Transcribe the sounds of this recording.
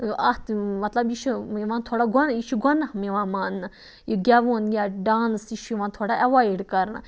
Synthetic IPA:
ɐt̪mɐt̪lɐbiʃʰuiʋãːnt̪ʰoːɽaːɡɔniʃʰuɡɔnːamiʋãːmaːnːɨ | jiɡʲaʋoːnjaːɖaːnsiʃʰuʋãːnt̪ʰoːɽaʔɛʋaːiɽkɐɾna̰

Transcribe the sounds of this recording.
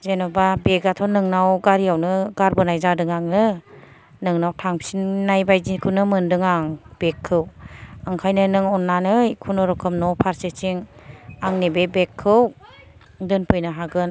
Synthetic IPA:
zenɔbabeɡatʰɔnɯŋnawɡaɾiawnɯɡaɾbɯnajzadɯŋaŋnɯ | nɯŋnawtʰaŋsinnajbajzinkʰɯwnɯmɯndɯŋaŋb̥ekʰːɯwaŋkʰajnɯnɯŋɔnːanɯjkʰunɔɾɔkʰɯmnɔpʰaɾset͡ʃiŋaŋnebebekʰːɯw | dɯnpʰɯjnɯɦaɡɯn

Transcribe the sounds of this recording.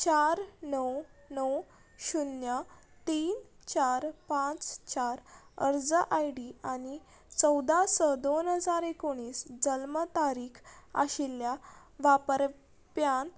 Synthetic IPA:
t͡ɕaɾnəwnəw | ɕunja | t̪iːn | t͡ɕaɾpãt͡st͡ɕaɾəɾd͡zəʔajɽiani | t͡səwd̪ʱasəd̪onɦəd͡zaɾekoɽ̃iːsd͡ʑəlmət̪aɾiːkʰa̰ɕilja | ʋapəɾ | pjan

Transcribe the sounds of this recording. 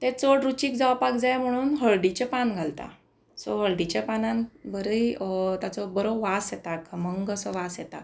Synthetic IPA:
t̪ẽt͡soɽɾut͡ɕiːk̚d͡zaʋpakd͡zajm̤əɽ̃uːnɦəɭɖit͡ɕepanɡʱalt̪a̰ | sɔɦəɭɖit͡ɕepanãnbəɾəit̪jat͡sɔbəɾowʋasjɛt̪akʰəməŋɡəsɔʋasjɛt̪a̰

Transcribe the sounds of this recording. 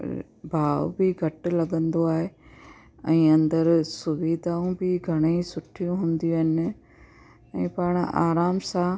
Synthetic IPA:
bʱaːʋbɪɡʱɐʈlɐɠə̃nd̪oaːɦe | ɛ̃ːɐ̃nd̪əɾsʊʋiːd̪ʱaːũbɪɡʱɐɽ̃eisʊʈʰijũɦʊ̃ːnd̪ijũɐɦɪnɪ̆ | ɛ̃ːpaːɽ̃a̰ːɾaːmsã

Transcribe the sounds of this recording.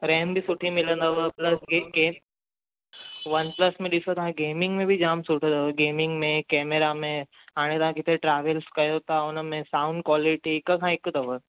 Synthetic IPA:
ɾembʱisuʈʰĩmilə̃nd̪əʋəplɐsɡeɡe | ʋənpləsmẽd̪isot̪ɦãɡemiŋɡmẽbʱid͡ʑamsuʈʰəd̪əʋəɡemiŋɡmekɛmeɾame | aɽ̃it̪aɦãkit̪ʰeʈɾaʋelskəjot̪aonəmẽsauɳɖkʋɔliʈiːkəkʰãekːəd̪əʋə

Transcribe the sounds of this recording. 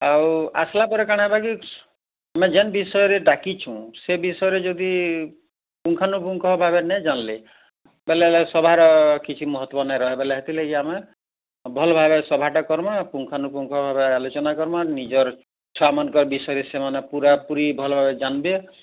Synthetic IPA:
awa̰slapɔɾekaɽ̃ɦebaki | amed͡ʒenbisɔjɔɾeɖakit͡ʃʰũsebisɔjɔɾed͡ʒod̪i | puŋkʰanup̬uŋkʰɔbʱabenɛd͡ʒanle | belelesɔbʱaɾɔkit͡ʃʰimɔɦɔt̪ːwɔnajɾɔɦebeleɦet̪ʰilekiame | bʱɔlɔbʱabesɔbʱaʈakɔɾmapuŋkʰanupuŋkʰɔbʱabealot͡ʃɔnakɔɾmanid͡ʒɔɾ | t͡ʃʰɔamankɔɾbisɔjɔɾesemanepuɾapuɾibʱɔlbʱabed͡ʒanbe

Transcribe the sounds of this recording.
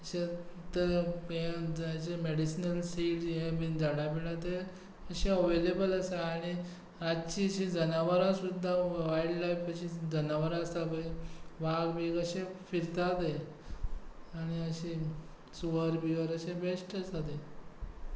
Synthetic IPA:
əɕet̪əɦẽd͡zɕemeɽisnəlsiɖd͡ʑɦẽbind͡zaɽapiɽat̪e | əɕeəʋelebələsaaɽ̃i | at͡ɕiɕid͡zənaʋəɾãsud̪ʱːaʋaiɖlaifəɕid͡zənaʋəɾaəst̪abəjʋaɡbiɡəɕefiɾt̪at̪ej | aɽ̃iəɕi | suʋəɾbiʋəɾəɕebesʈəsat̪e

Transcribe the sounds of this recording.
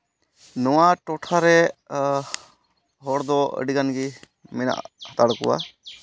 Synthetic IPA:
nɔwaʈɔʈʰaɾɛ | ɦɔɽd̪ɔə̰ɖiɡanɡi | mɛna̰ʔhat̪aɽɔkɔ̰wa̰

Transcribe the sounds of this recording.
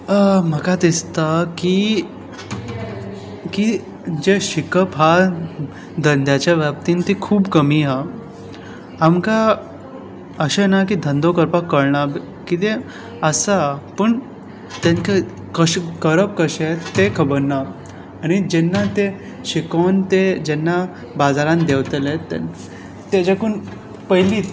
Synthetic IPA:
m̤əkat̪ist̪aki | ki | d͡ʑeʃikəpɦa | d̪ənd̪ʱjat͡ɕaʋjap̚t̪int̪ikʰuːbkəmiɦa | amka | əɕenakid̪ʱə̃nd̪okəɾpakːəɾɳab | kit̪̬e | əsapəɳ | t̪anke | kəɕkəɾəp̚kəɕet̪ːekʰəbəɾnaː | ɽ̃id͡ʑɛnːat̪e | ɕikont̪ed͡ʑɛnːa | bad͡zaɾãnd̪eʋt̪əlet̪ːḛ | t̪ed͡ʑakuːn | pəɦiliː

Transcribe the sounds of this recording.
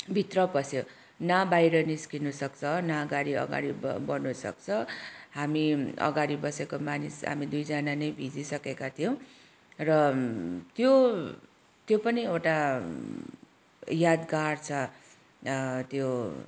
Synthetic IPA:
bʱit̪rʌpʌsje | nabajɾʌniskinusʌkt͡sʰʌnaʌɡaɾiʌ̰ɡa̰ɽibʌnusʌ̰kt͡sʰʌɦamiʌ̰ɡaɾibʌsekomanisɦa̰mid̪ujd͡zʌnanʌjbʱid͡zisʌkekat̪ʰijõ | rʌt̪jo | t̪jopʌniewʈa | jad̪ɡart͡sʰʌ | t̪jo

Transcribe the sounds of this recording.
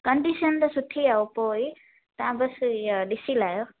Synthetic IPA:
kʌɳɖisʌnd̪ʌsut̪ʰːiawpoi | t̪ãbʌsd̪isilajo

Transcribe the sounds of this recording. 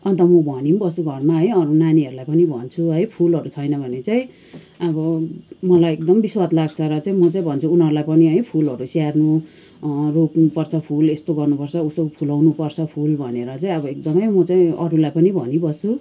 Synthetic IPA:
ʌnt̪ʌmubʱʌnimbʌsuɡʱʌrmaɦʌjʌɾunaniɦʌɾulajpʌnibʱʌ̰nt͡sʰuɦʌjpʰulɦʌɾut͡sʰʌjnʌbʱʌnet͡saĩ | ʌbʌmʌlajek̚d̪ʌmbiswat̪laɡt͡sʰʌɾʌt͡saĩmʌt͡saĩbʱʌnt͡sʰuunɦʌɾulajpʌniɦʌjpʰulɦʌɾusiarnu | roknupʌrt͡sʰʌpʰulest̪oɡʌrnupʌrt͡sʰʌusʌpʰulawnupʌrt͡sʰʌpʰulbʱʌneɾʌt͡saĩʌbʌek̚d̪ʌmʌjmʌt͡saĩʌɾulajpʌnibʱʌnibʌsu

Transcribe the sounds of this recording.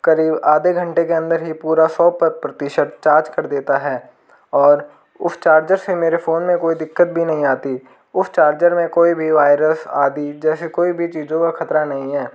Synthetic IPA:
kɐɾiːbaːd̪ʱeɡʱɐ̃ɳʈekeɐ̃nd̪əɾɦipuːɾasɔːpəpɾɐt̪ɪʃət̪t͡ʃaːɾd͡ʒkɐɾd̪eːt̪aɦɛː | ɔːɾ | ʊ̰st͡ʃaːɾd͡ʒəɾsemeːɾefoːnmẽkoːid̪ɪkːət̪̚bʱinɐɦĩaːt̪i | ʊst͡ʃaːɾd͡ʒəɾmẽkoːibʱiʋaːɪɾəsaːd̪id͡ʒɛːsekoːibʱit͡ʃiːzõkaxʰɐt̪ɾanɐɦĩɦɛː

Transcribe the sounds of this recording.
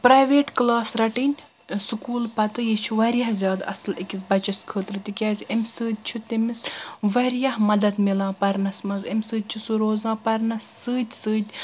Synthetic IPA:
pɾaːjʋeːʈklaːsɾɐʈinʲ | sukuːlpɐt̪ɨjit͡ʃʰuʋɐɾʲjɐhzʲjaːd̪ɐ̰slikʲizʲbɐt͡ʃɐskʰəːt̪ɾɨt̪ikʲaːzʲɐmʲsɨːd̪̚ʲt͡ʃʰut̪imisʋɐɾjɐɦmɐd̪ɐd̪milãːpɐɾnɐsmɐzɐmʲsɨːd̪̚ʲt͡ʃʰusuɾoːzãːpɐɾnɐsːɨːd̪ʲsɨːd̪ʲ

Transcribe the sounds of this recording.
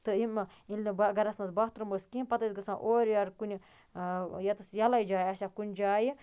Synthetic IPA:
t̪ɨimɐ | ilʲnɐbɐɡɐɾɐsnɐsbɐht̪ɾɨmbəskimpɐt̪ɐsʲɡɐsãːʔoːɾʲɐɾkunʲi | jɐt̪ɨsjɐlɐjd͡ʒaːjɐsʲakunʲd͡ʒaːji

